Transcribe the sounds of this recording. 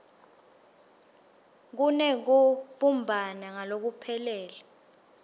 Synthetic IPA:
k̬unɛk̬uɓumbʱanaŋalok̬upʰɛlɛːla

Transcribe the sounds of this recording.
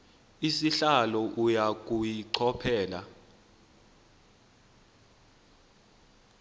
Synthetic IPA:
isiɬalɔʔujak̬ʼujiǀʰɔpʰɛːla

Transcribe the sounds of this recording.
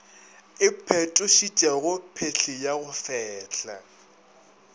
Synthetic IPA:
ɪpʰɛtʼʊʃit͡ʃʼaɣʊpʰeɬʰɪjaɣʊfɛːɬa̰

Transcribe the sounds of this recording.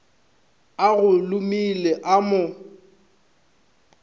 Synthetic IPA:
aɣʊlʊmileʔamʊ

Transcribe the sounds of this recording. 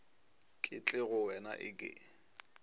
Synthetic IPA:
kʼɪ̰t͡ɬʼɪɣʊwɛna̰ʔɪkʼɪ̰

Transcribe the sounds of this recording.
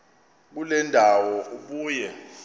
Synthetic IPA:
k̬ulɛndʱawɔʔuɓuːjɛ

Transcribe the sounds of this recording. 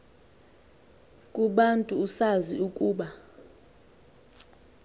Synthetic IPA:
kʼuɓantʼuːsaziukʼuːɓa

